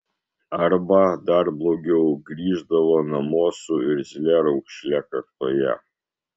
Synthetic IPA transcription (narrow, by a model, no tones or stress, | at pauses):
ɐɾbɐd̪ɐɾblˠoːɡʲɛʊɡɾʲiːʒd̪ɐʋoːnɐmoːsʊɪɾʲzʲɪlʲɛɾɐʊkʃʲlʲɛkɐɾt̪oːjɛ̰